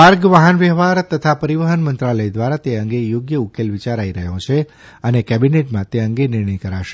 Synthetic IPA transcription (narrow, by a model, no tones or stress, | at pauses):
aɾɡʋəɦənʋɛɦʋaɾt̪ət̪ʰapəɾiʋəɦənmənt̪ɾaləjd̪ʋaɾat̪eəŋɡejoɡjəukelʋit͡ʃaɾaiɾəɦjõt͡ʃʰe | ənekɛbineʈmãt̪eəŋɡenɪɾɳəjkəɾaʃe